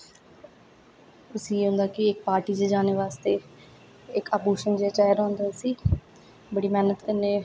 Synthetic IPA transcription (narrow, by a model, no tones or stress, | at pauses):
ʊsĩːeːɦʊ̃nd̪aːkɪɪkpaːɾʈiːd͡ʒed͡ʒaːneːʋaːst̪eː | ɪkaːbuːʃənd͡ʒeːaːt͡ʃaːjɾõːnd̪aːsiː | bəɽiːmɛːnət̪kənːeː